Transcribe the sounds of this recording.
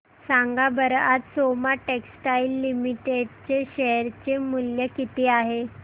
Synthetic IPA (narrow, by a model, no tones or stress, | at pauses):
saŋɡabəɾat̪somaʈeksʈailːimiʈeɖt͡ɕeɕeɾt͡ɕemuljəkit̪eaɦe